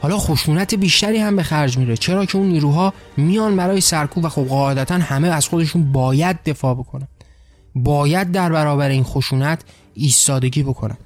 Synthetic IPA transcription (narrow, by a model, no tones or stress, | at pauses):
hɒːlɒːxo̞ʃuːnæt̪ʰe̞biːʃt̪æɾiːhæmbe̞xæɾd͡ʒmiːɾet͡ʃʰe̞ɾɒːcʰe̞uːnːiːɾuːɦɒːmijɒːnbæɾɒːje̞sæɾkʰuːpvæxobɣɒːe̞d̪æt̪ʰænhæmeæz̥xod̪e̞ʃunbɒːjæd̪̚ːe̞fɒːbo̞kʰo̞næn | bɒːjæd̪̚ːæɾbæɾɒːbæɾe̞iːnxo̞ʃuːnæt̪ʰ | iːst̪ɒːd̪e̞ɟiːbo̞kʰo̞næ̰nd̪